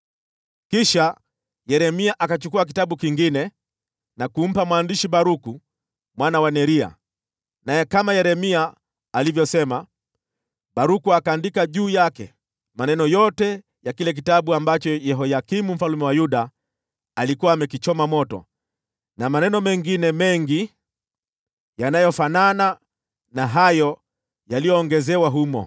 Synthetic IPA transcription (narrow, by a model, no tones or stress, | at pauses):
kiʃa | jɛɾɛmiaʔakat͡ʃukuak̬itaɓukiŋɡinɛ | nakum̩pamwaːndiʃiɓaɾuku | mwanawanɛɾia̰ | najɛkamajɛɾɛmiaː | livjɔsɛma | ɓaɾukuakaːndikaʄuːjakɛ̰ | manɛnɔjɔtɛ | jakilɛk̬itaɓuambat͡ʃɔjɛɦɔjakimum̩falumɛwajuɗaː | likuwaːmɛkit͡ʃɔmamɔtɔ̰ | namanɛnɔmɛŋɡinɛmɛŋɡi | janajɔfanana | naɦajɔ | jalijɔːŋɡɛzɛwaɦumɔ̰